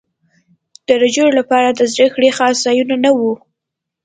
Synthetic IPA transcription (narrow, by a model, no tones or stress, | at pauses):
d̪̥əɾad͡ʒoɾlapɑɾad̪əzɾexɽexɑsz̥ɑjunanawu